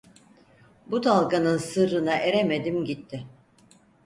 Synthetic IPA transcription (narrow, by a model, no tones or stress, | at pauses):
but̪ʰalˠkanɯnsɯɾɯnaʔeɾemed̪imɟit̪ʰːɪ